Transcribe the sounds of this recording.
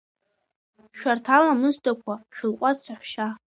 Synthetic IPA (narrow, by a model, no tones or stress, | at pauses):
ʃᶣartʰalamɨztʰakʷʰaʃᶣʊlqʷʼat͡sʰaħʷʃa